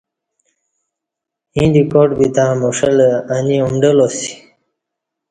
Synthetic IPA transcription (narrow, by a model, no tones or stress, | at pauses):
hĩnd̪ikoːʈbit̪amuʂəlaniumɖəlosi̥